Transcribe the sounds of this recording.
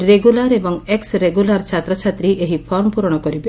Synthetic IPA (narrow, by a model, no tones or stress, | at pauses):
ɾeɡulaɾebɔŋeksɾeɡulaɾt͡ʃʰat̪ɾɔt͡ʃʰat̪ɾiʔeɦipʰɔɾmpuɾɽ̃ɔkɔɾib